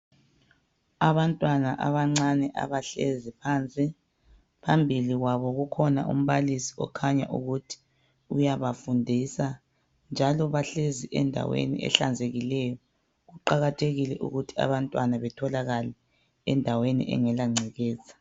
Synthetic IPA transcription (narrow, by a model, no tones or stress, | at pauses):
aβantʼwanaʔa̰βaŋ͡ǀanɛʔa̰βaɬezipʰant͡sʼi | pʰambʱiliɣwaβɔɣukʰɔna̰ṵm̩βalisi̥ɔ̰kʰaɲa̰ʔuɣutʰi̥ | ujaβafundʱisa | nd͡ʒʱalɔβaɬeziʔɛ̰ndʱa̰wḛnḭʔɛ̰ɬa̰nd͡zʱeɣilɛjɔ | ɣuǃaɣatʰeɣilɛʔṵɣutʰi̥a̰βantʼwanaβɛtʰɔlaɣalɛ | ɛndʱawenḭʔɛ̰ŋɛlaŋ͡ǀʱɛɣɛːzḁ